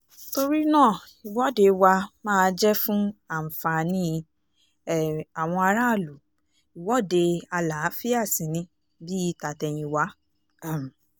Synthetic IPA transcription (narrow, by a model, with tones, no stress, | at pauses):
to˧ɾi˦nãː˦˨ | i˨wɔ˨˦˨de˧wa˧mãː˦˧d͡ʒɛ˦fũ˦a˦˨m̩˨fa˨nĩ˦˨ | a˨w̃ɔ̃˧a˧ɾa˦˨lu˨ | i˨wɔ˦˨de˧a˧la˨˦fi˦a˦˨sĩ˨nĩ˧˦ | bi˦i˦˧ta˨tɛ˧j̃ĩ˧wa˨˦ | a˦˨m˨